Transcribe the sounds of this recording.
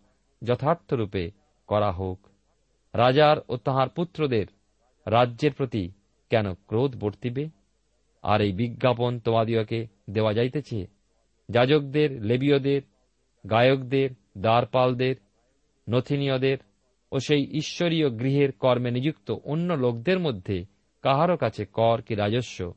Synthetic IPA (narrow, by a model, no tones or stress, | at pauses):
d͡ʑɔt̪ʰaɾt̪ʰoɾupe | kɔɾaɦok | ɾad͡ʑaɾot̪aɦaɾput̪ːɾod̪eɾː | adːʑeɾpɾot̪i | kɛnokɾod̪boɾt̪ibe | a̰ɾejbiɡʱːapont̪omad̪ijoke | d̪eoad͡ʑajt̪et͡ɕʰḛ | d͡ʑad͡ʑok̚d̪eɾlebiod̪eɾ | ɡajokd̪eɾ | d̪aɾpald̪eɾ | not̪ʰinijod̪eɾ | oʃejʔiʃːoɾijoɡɾiɦeɾkɔɾmenid͡ʑukt̪oʔonːolok̚d̪eɾmod̪ʱːe | kaɦaɾokat͡ɕʰekɔɾkiɾad͡ʑoʃːo̰